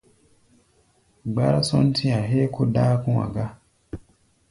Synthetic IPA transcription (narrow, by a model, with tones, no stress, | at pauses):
ɡ͡ba˦ɾa˦sɔ˦n̩˦tʰi˦a˨ɦe˦ko˦da˦kũ˦wa̰˨ɡa˦